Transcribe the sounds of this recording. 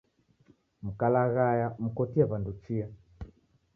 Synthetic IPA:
m̩kalaɣajam̩kɔtiaβandut͡ʃia

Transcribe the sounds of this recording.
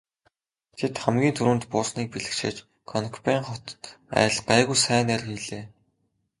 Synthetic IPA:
t̪ʰet̪χæmɡʲiːnt̪ʰuɾuːnt̪pʊːsniːk̚piɮɘ̆kʃḛːt͡ɕ | kʰɔnkpæːŋχɔt̪æ̰ːɮɢæːɣujsæːnær̆xiɮeː

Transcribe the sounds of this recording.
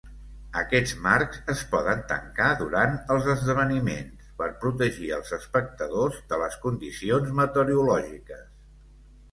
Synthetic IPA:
əkɛd͡zmaɾkzəspɔðənt̪ə̰ŋkaðuɾant̪əlˠzəzðəβ̞ənimḛnspəɾpɾut̪̬əʒiə̰lˠzəspək̚t̪əðozðələskund̪isionzmət̪əɾiulɔʒikəs

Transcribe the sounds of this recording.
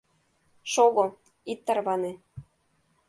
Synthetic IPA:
ʃoɣo | it̪ːə̆rβɑne

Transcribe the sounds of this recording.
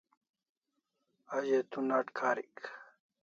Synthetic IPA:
aʑet̪unaʈkʰaːɾḭk

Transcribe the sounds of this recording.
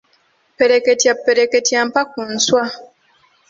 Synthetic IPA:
peɾeketiapːeɾeketjam̩pak̚un̩swa

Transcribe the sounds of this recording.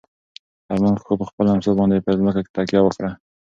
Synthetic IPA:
aɾmanxxopəxpəlaamsɑbɑnd̪epəzməkake̥t̪akjɑwəkɽa

